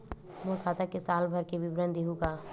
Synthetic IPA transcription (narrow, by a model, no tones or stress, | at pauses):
molkʰaːt̪akesaːlbʱɐɾkebɪbɾə̃nd̪eɦũɡaː